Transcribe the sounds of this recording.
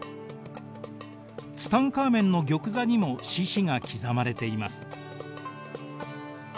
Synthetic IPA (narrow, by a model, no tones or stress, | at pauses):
t͡sɨ̥t̪ãŋkaːmẽ̞nːo̞ɡʲo̞kɯ̟zaɲ̟imo̞ɕiɕiŋakʲizamaɾe̞t̪e̞imasɨ̥